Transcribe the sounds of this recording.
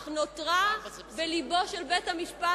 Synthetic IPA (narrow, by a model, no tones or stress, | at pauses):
χnotʁa | belibo̞ʃelbethamiʃpa